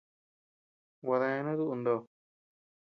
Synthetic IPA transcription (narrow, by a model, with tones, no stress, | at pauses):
wa˧ðã˧ẽ˧˦nũ˦ðu˦ʔu˧nd̪o˧˨